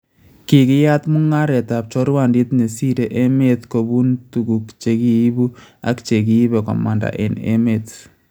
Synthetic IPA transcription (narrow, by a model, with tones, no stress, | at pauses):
kɪ˨kɪ˦ja˦tmu˦ŋa˦ɾɛ˨ta˨p̚t͡ʃɔ˦ɾwa˨ndi˦tne˨si˦ɾe˨ʔe˦me˦t̪ko˨bu˦ntu˨ku˨kt͡ʃe˨ki˦jbu˦a̰˨˦kt͡ʃe˨k̬i˦i˦bɛ˨kɔ̰˨ma̰˨nda̰˨ʔḛ˨nḛ˦me˨t